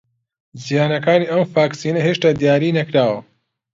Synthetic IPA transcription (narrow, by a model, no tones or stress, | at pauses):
zijaːnɐkaːniːʔɐmfaːksiːnɐɦeʃt̪aːd̪jaːɾiːnɐkɾaːwɐ